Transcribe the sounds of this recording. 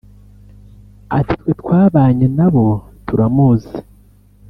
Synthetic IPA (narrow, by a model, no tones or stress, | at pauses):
a̰titwetwaːβaːɲenaβo̞tuɾamuze̥